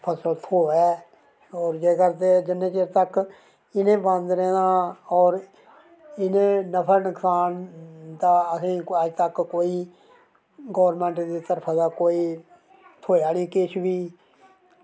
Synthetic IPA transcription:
pʰəsəlt̪ʰoːɛː | ɔːɾd͡ʒeːkəɾd̪eːd͡ʒɪnːẽːt͡ʃeːɾt̪ək | ɪnẽːbə̃nd̪ɾɛ̃ːnãːɔːɾ | ɪnẽːnəpʰəɾnɪksaːnd̪aːəsĩːəd͡ʒt̪əkkoːiː | ɡɔːɾmɛ̃ːɳʈd̪eːt̪əɾpʰaːd̪aːkoːiː | t̪ʰoːaːniːkɪt͡ʃʰbiː

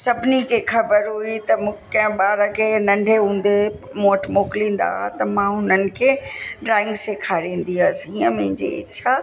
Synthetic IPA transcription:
sɐbʱnikʰexɐbəɾɦuit̪ɐmũkɐ̃ɦɪ̃ɓaːɾəkʰenɐ̃ɳɖʱeɦũːn̆d̪e | moːʈmoːklĩːn̆d̪a̰ːɦat̪ɐmãɦʊnənɪ̆kʰeːɖɾaːɪ̃ŋɡsekʰaːɾĩːn̆d̪iasĩːə̃mẽɦɪ̃ɲd͡ʑḛɪ̰t͡ɕʰa

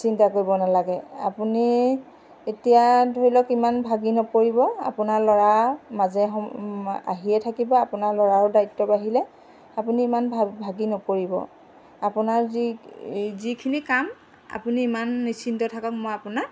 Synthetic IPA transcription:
sintakoɹibɔnalaɡɛa̰puni | etijadʱoɹilɔkimanbʱaɡinɔpoɹibɔa̰punaɹlɔɹamazɛɔa̰ɦiɛtʰakibɔapunaɹlɔɹaɹʊdajtːɔbaɦilɛ | apuniːmanbʱbʱaɡinɔpoɹibɔ̰ | apunaɹi | zikʰinikam | a̰puniːmanːisintɔtʰakɔkmojapunaɹ

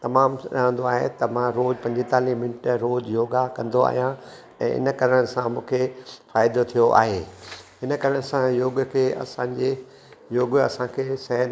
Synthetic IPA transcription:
t̪ɐmaːmɗɐɦə̃nd̪oaːɦḛt̪ɐmãɾoːd͡ʑpɐ̃ɲd͡ʑɪt̪aːlimɪnʈɾoːd͡ʑjoːɡakɐ̃nd̪oa̰ːɦijã | ɛ̰̃ːʔɪ̰nə̆kɐɾəɽ̃sãmũːkʰefaːɪd̪ot̪ʰijoʔa̰ːɦeːɦɪnə̆kɐɾəɽ̃ɪsãjoːɡkʰeːʔɐ̰sãːɲd͡ʑe | joːɡɐsãkʰeːsɛ̃ɦ

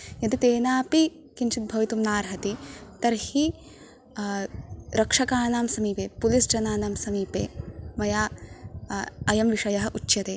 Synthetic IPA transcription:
jɐd̪it̪eːnaːpi | kinʃit̪̚bʱɐʋit̪umnaːɾɦɐt̪it̪ɐɾhi | ɾɐkʂɐkaːnaːmsɐmiːpeːpulisd͡ʒɐnaːnaːmsɐmiːpḛːmɐjaː | ɐjɐmʋiʂɐjɐɦɐ̆ʔut͡ʃːjɐt̪eː

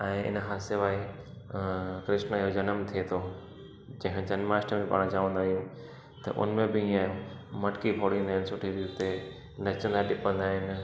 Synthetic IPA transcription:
ɛ̃ːɪ̰nɦaːsɪʋaːi | kɾɪʃnəiɦod͡ʑɐnəmt̪ʰiet̪ʰo | d͡ʑɐ̃ɦɪ̃d͡ʑɐnmaːsʈəmẽpa̰ːɽ̃t͡ɕaːʋə̃nd̪aːɦijũ | t̪ɐ̰ʔʊ̰nmẽbɪĩãːjũmɐʈkipʰoːɽĩːnd̪aːɪnsʊʈʰiʋit̪e | nɐt͡ɕə̃nd̪aɗɪpə̃nd̪aːɦɪn

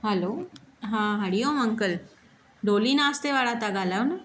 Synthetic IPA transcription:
ɦəloɦãɦəɽijoməŋkəl | ɖolinast̪eʋaɽat̪aɡalaʋnə

